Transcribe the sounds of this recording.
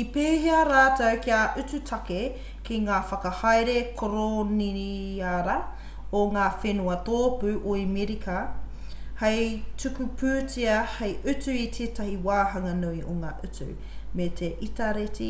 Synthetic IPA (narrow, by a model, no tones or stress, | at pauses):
ipeːɦeɐɾaːtɐwkiaʔʉt͡sʉtʰɐke | kiŋaːfɐkɐhɐjɾekʰoɾoniɾiaɾɐ | oŋaːfenuɐt̪oːpʉʔoimiɾikʰɐ | hɐjtʉkupʰʉːt͡siɐhɐjʔʉt͡sʉit̪ʰeːtɐhiwaːɦɐŋɐnuio̰ŋa̰ːʔʉtʉ̰ | metʰeʔitɐɾetḭ